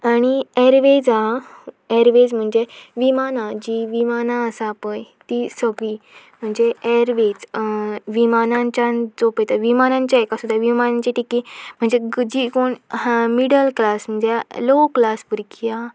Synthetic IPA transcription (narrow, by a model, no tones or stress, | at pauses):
aɽ̃iɛɾʋed͡za | ɛɾʋed͡zm̤əɳd͡zeʋimanãd͡ʑiʋimanaəsapəjt̪isəɡɭim̤əɳd͡zeɛɾʋed͡zʋimanãɲt͡ɕand͡zopəjt̪əʋimanãɲt͡ɕjaekasud̪ʱːaʋimanaɲt͡ɕiʈikim̤əɳd͡zed͡ʑikoɳmiɽəlklasm̤əɳd͡zeloklaspuɾkʰia